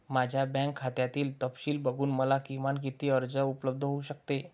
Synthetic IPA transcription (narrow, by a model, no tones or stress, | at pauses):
mad͡ʑʱjabɛ̃ŋkʰːat̪jat̪iːlt̪əpɕiːlbəɡuːnməlakimaɳk̬it̪iːəɾd͡zəupləb̚d̪ʱəɦouɕəkt̪e